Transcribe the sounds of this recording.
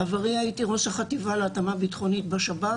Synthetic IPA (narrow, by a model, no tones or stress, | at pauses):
avaʁiaitiʁosaχativaleːtamabitχo̞nit̚baʃaba